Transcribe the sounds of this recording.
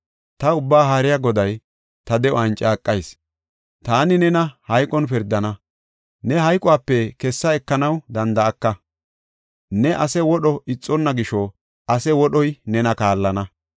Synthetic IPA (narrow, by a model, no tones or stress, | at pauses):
t̪ɐʊbːaːɦaːɾɪjaɡɔd̪ɐj | t̪ɐd̪ɛɔɐnt͡ʃʼaːkʼːɐjs | t̪aːnɪnɛnɐhɐjkʼɔnpɪɾd̪ɐnɐ | nɛɦɐjkʼɔaːpːɛkɛsːɐɛkːɐnɐwd̪ɐnd̪ɐːkːɐ | nɛʔɐsɛwɔɗɔɪt͡sʼːɔnːɐɡɪʃɔ | ɐsɛwɔɗɔjnɛnɐkaːlːɐnɐ